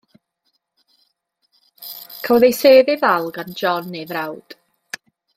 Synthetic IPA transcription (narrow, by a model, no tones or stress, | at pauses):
kʰəwðejseːðɪðalˠɡand͡ʒɔnːevrawd̥